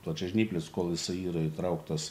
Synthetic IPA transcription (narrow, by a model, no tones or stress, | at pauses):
plˠɐt͡ʃʲɛʒʲnʲiːpʲlʲɪskoːlˠjɪsɐɪiːɾɐit̪ɾɐʊkt̪ɐs